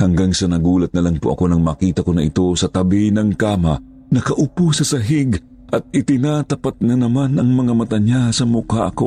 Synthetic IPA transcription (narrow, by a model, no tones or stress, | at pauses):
hɐŋɡaŋsɐnɐɡuːlɐt̪̚nɐlɐŋpoʔɐ̰ko̞nɐŋmaːkiːt̪ɐkonɐʔɪt̪o̞sɐt̪ɐbinɐŋkaːmɐ | nɐkɐʔʊpusɐsɐɦɪɡ | ʔɐt̪̚ɪt̪ɪnat̪ɐpat̪̚nɐnɐmanʔɐŋmɐŋamɐt̪ɐɲjasɐmʊkaʔɐko̞̰